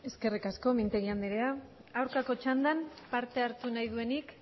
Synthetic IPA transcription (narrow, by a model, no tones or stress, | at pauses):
e̞ske̞rikasko̞mint̪eɣiand̪eɾea | awɾkako̞t͡ʃand̪anpaɾt̪e̞aɾt̪unajð̞ue̞nik